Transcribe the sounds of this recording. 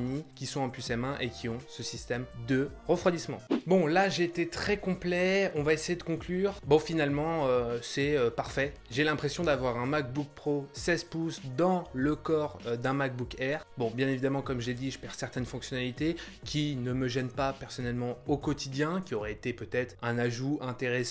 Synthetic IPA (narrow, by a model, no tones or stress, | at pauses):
nikʲisɔ̃ɑ̃pysɛmɛ̃ʔekʲʰiɔ̃səsist̪ɛmd̪əʁəfχwad̪ismɑ̃bɔ̃laʒeːt̪et̪χɛkɔ̃plɛɔ̃vaesejed̪əkɔ̃klyːʁbɔ̃finalmɑ̃øsɛøpaʁfɛ | ʒelɛ̃pχesjɔ̃d̪avwaʁɛ̃mak̚buk̚pχosɛzpusd̪ɑ̃ləkɔʁd̪ɛ̃mak̚bukɛʁbɔ̃bjɛ̃nevid̪amɑ̃kɔmʒəled̪iʒəpɛʁsɛʁt̪ɛnfɔ̃ksjɔnalit̪e | kʲinəməʒɛnpapɛʁsɔnɛlmɑ̃okɔt̪id̪jɛ̃kʲiɔʁɛet̪epøt̪ɛt̪χɛ̃naʒuɛ̃t̪eʁes